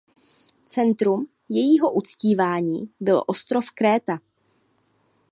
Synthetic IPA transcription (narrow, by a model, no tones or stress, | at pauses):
t͡sɛnt̪ɾum | jɛjiːɦo̞ʔut͡sciːvaːɲḭːbɪlʔo̞st̪ɾo̞fkɾɛːt̪a